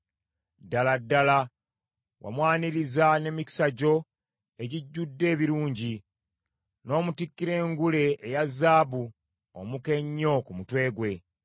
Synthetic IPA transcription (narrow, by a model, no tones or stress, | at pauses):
dːaladːala | wʔa̰mwaːniɾizane̞miki̥saɟo̞ | e̞ɟiɟːudːe̞ːβiɾuːɲɟi | no̞ːmutikːiɾe̞ːŋɡule̞ʔːjazːaːbu | o̰muke̞ɲːo̞kumutwe̞ːɡwe̞